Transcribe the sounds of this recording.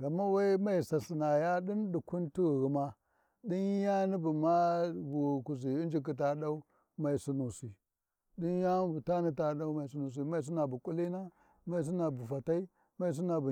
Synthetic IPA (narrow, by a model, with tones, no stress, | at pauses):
ɣa˨mːa˦wa˦i˦ma˦i˨sa˨si˨na˨ja˦ɗi˦nɗu˨ku˦nti˦ɣi˨ɣi˨ma˦ | di˦nja˦ni˦bu˨ma˦bu˨ku˨zi˨i˦nd͡ʒi˦k̬i˨t̬a˨ɗa˦u˦ | ma˨i˨su˨nu˨si˨ | di˦n˦ja˦bu˨ta˦ni˦ta˨ɗa˦u˦ma˨i˨s̬u˦nu˨s̬i˨˦ma˦i˨s̬u˦na˨bu˨kʼu˦li˦na˦ | ma˨i˨s̬i˦na˨bu˨fa˨ta˦i˦ | ma˨i˨s̬u˦na˨bu˨